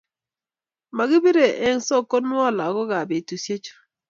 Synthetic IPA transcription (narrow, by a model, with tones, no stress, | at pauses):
ma˨ɡi˦bi˦ɾe˨ʔe˦ŋ˦sɔ˦˨ko˦nwɔ˦˨la˨ɡɔ˦ɡa˨be˨tu˨sje˦t͡ʃo̥˦